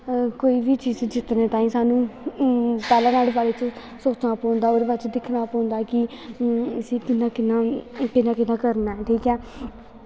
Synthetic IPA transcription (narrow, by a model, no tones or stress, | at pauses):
koːiːʋiːt͡ʃiːzd͡ʒɪt̪neːt̪aːĩːsaːnũː | pɛːlãːnaːlebaːleːt͡ʃ | soːt͡ʃnaːpɔ̃ːnd̪aːoːɾbat͡ʃd̪ɪkʰnaːpɔ̃ːnd̪aːkɪ | əsĩːkɪnãːkɪnaːkɪnãːkɪnãːkəɾnaːɦɛːʈʰiːkɛː